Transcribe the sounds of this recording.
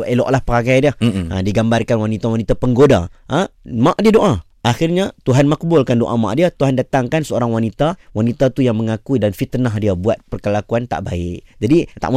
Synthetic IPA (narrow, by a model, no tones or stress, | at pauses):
eloʔlahpəɾaɡajdiəə̰diɡambarkanwanit̪awanit̪apəŋɡoda̰ʔəmãʔdiədoʔa | axɪrɲat̪uɦanmak̚bʊlkandoʔa̰ma̰ʔdiat̪uɦandat̪aŋkansəoɾaŋwanit̪awanit̪at̪ujaŋməŋakuidanfit̪ənaɦdiabuat̪̚pərkəlakuant̪a̰ʔbaɪʔd͡ʒadit̪a̰ʔm